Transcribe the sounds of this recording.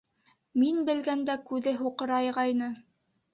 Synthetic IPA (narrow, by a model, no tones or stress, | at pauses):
minbɘ̆lɡænd̪ækʉðɘɦuqɤ̆ɾɑjʁɑjnɤ